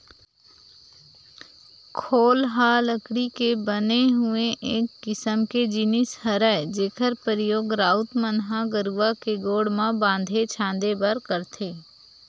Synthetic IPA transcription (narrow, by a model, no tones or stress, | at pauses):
kʰoːlɦaːləkɽikebəneɦʊeʔeːkːɪsəmked͡ʒɪnɪshəɾəed͡ʒeːkʰəɾpəɾɪjoːɡɾaːʊt̪mənɦãɡəɾuʋakeɡoːɽmãbãːnd̪ʱet͡ʃʰãːn̆d̪ebəɾkəɾt̪ʰeː